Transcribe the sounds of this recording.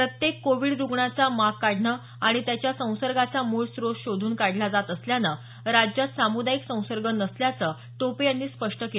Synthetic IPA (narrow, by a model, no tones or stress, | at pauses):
pɾət̪jekːoʋiɽɾuɡɳat͡samakkaɽ̤ɳəː | aɽ̃it̪jat͡ɕjasə̃w̃səɾɡat͡samuɭsɾosɕod̪ʱuːnkaɽ̤lad͡zat̪əsljanə | ɾad͡ʑjat̪samud̪aiksə̃w̃səɾɡənəsljat͡səː | t̪opejanːiːspəʂʈəkel